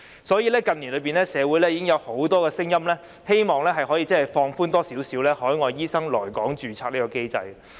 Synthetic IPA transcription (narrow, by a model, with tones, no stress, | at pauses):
sɔː˨˥jiː˨˧lɛː˥kɐ˨nliː˨˩nlɵ˨˧ɥp̬iː˨nlɛː˥sɛː˨˧wu˨˥jlɛː˥jiː˨˥kɪ˥ŋjɐ˨˧who˨˥wt̪ɔː˥kɛː˧sɪ˥ŋjɐ˥mlɛː˥ | he˥jmɔː˨ŋlɛː˥ɦɐ˨jɦɔː˨˥jiː˨t͡sɐ˥hɐ˨˩jfɔː˧ŋfuː˥nt̪ɔː˥siː˨˥wsiː˨˥wlɛː˥hɔː˨˥jŋɔː˨˧jjiː˥sɐ˥ŋlɔː˨˩jkɔː˨˥ŋt͡ʃyː˨t͡sʰaː˧k̚niː˥kɔː˧ke˥jt͡sɐ̰˧j